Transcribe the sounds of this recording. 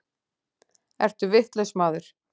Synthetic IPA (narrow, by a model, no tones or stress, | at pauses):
ɛr̥t̪ʏvɪht̪lɛsmaːðʏɾ̥